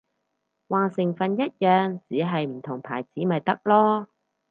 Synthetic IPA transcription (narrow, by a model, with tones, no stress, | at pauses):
waː˨˩ŋsɪ˨˩ŋfɐ˨njɐ˥t̚jœː˨ŋt͡siː˨˥ɦɐ˨jm̩˨˩t̪ʰʊ˨˩ŋpʰa̰ː˨˩jt͡siː˨˥mɐ˨jt̪ɐ˥k̚lɔː˥